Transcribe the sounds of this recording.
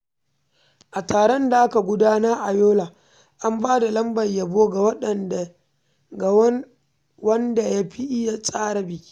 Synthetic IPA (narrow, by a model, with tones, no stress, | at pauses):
ʔa˨taː˨ɽɔ˦nda˨ʔa˦ka˨ɡʷʊ˦daː˦naː˦ʔa˨joː˦laː˨ | ʔa˦mbaː˦da˨lɐ˦mbɐ˨jja˨boː˦ɡa˨wɐ˦ɗɐ˦˨n˨ | ɡ | wɐ˦nda˨ja˦ɸi˦ʔɪ˦ja˨sʼaː˦ɽa˦bɪ˨i̥˦